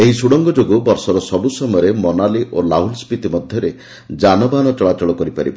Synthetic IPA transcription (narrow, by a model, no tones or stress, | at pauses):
eɦisuɽɔŋɡɔd͡ʒoɡubɔɾsɔɾɔsɔbusɔmɔjɔɾemɔnaliʔolaulspit̪imɔd̪ʱjɔɾe | d͡ʒanɔbanɔt͡ʃɔɭat͡ʃɔɭɔkɔɾipaɾibɔ